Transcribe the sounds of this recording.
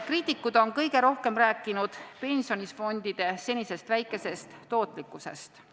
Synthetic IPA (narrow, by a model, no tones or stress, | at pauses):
kriːt̪ːˑikːˑud̪̥o̞nkɤjɡ̥e̞ɾo̞hke̞mɾæːkːˑinud̪̥pe̞nʲsio̞nʲisfo̞nd̪̥id̪̥e̞se̞nʲise̞st̪væjkːˑe̞se̞st̪ːo̞ːt̪ˑlikːˑuse̞̰st̪